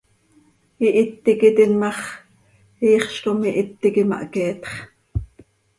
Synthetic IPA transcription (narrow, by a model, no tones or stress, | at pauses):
iʔit̪ːikit̪inmɑχ | iːχʃkomiʔit̪ːikimɑ̰ʔkɛːt̪χ